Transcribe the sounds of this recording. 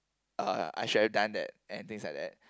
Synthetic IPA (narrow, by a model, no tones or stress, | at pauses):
ʌ̰a̰ɪʃʊd̚hɛvdãnd̪ɛ̰t̚ɛ̃nt̪ɪ̃ŋslaɪk̚d̪ɛ̰t̚